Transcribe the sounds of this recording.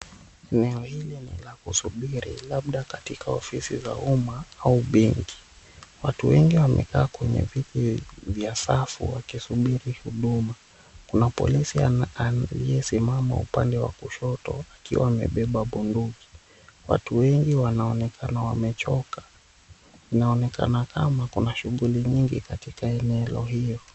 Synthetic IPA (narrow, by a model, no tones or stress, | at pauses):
ɛnɛɔhilinḭlakusuɓiɾḭlaɓɗakatikʰaɔfisḭza̰umaauɓɛŋki̥ | watuwɛŋɡiwamʔɛ̰kaːkwɛɲɛ̰vitivjasafṵwakisuɓiɾihuɗuma | kunapɔ̰lisialijɛsimama̰upandɛwa̰kuʃɔtɔ̰akiwa̰wamɛ̰ɓɛɓaɓunduki̥ | wa̰tuwɛŋɡiwanaɔnɛkʰanawamɛt͡ʃɔkḁ | inaɔnɛka̰nakamakunaʃuɠuliɲiŋɡikatikaɛnɛlɔ̰ɦijɔ